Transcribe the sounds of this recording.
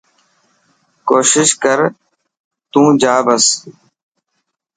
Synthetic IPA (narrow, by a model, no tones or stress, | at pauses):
koːʃɪʃkəɾ | t̪ũːd͡ʒaːbəs